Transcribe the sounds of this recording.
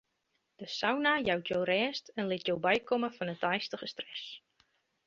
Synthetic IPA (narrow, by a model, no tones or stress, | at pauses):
d̥əsawnajawtʰjowrɛːstɛnlɪtjowbɛjkʰoməfɔnətɛjstəχəstrɛs